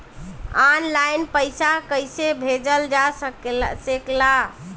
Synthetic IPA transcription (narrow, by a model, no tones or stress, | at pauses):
anlajnpəjsakəjsebʱed͡ʒəld͡ʒasəksekla